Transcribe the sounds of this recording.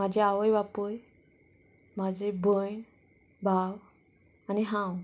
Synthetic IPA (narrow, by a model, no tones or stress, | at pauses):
mad͡ʑeaʋəjʋapəj | mad͡ʑebʱəj | bʱaw | aniɦãw